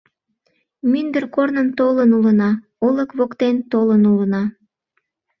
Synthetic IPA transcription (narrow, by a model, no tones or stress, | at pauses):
mynd̪ərkornənt̪olənulənɑ | oləkβokt̪ent̪olənulənɑ